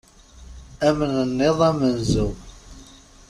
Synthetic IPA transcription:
æmənənːeðˤæmənzəw

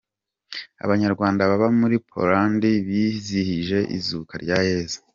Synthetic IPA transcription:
a̰βaɲaɾɡwaːndaβaβamuɾipʰo̰ɾandiβizihiʒe̞ʔḭzukaɾɟajeːzḁ

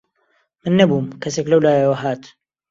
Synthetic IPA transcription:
mɨnːɐbuːmkɐseklɐwlaːjawɐɦaːt̪

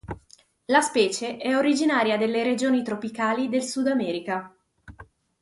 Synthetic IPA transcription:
laspɛːt͡ʃeʔɛoɾid͡ʒinaːɾjad̪elːeɾed͡ʒoːnit̪ɾopikaːlid̪elsud̪amɛːɾika

